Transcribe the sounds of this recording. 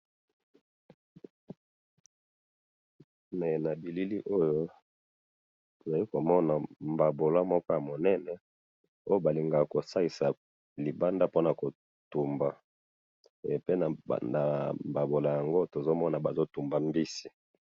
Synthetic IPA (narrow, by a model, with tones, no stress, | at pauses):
mɛ˨na˨bi˨li˦li˦ʔo˦jo˦ | to˨za˨li˦ko˨mɔ˦na˨mba˨bo˨la˦mɔ˦kɔ˦ja˨mo˨nɛ˦nɛ˦ | o˦jo˦ba˨li˨ŋɡa˨ko˨sa˦i˨sa˨ | li˨ba˦nda˦po˦na˨ko˨ | tu˨mba˨ | pe˦na̰˨na˨mba˨bo˨la˨ja˨ŋɡo˦to˨zo˦mɔ˦na˨ba˨zo˦tu˨mba˨mbi˦si̥˨